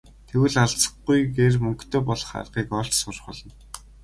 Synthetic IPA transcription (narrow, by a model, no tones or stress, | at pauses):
t̪ʰewɘ̆ɮaɮt͡sə̥̆χujɡermɵŋkt̪ʰeːpɔɮɞ̆χa̰rʁiːkɔɬt͡ɕsʊrχʊɮɞ̆n